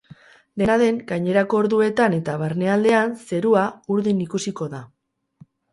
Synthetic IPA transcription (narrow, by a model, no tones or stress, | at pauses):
d̪e̞naðe̞ŋɡajɲe̞ɾako̞ːɾðue̞t̪ane̞t̪aβ̞aɾne̞ald̪e̞anse̞ɾuauɾðinikusiko̞ða